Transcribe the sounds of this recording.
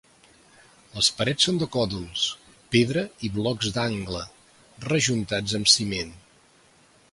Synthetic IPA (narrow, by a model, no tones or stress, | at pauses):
ləspəɾɛsond̪əkɔðulˠs | peðɾəiβlɔɡzd̪aŋɡlə | rəʒunt̪ad͡zəmsimen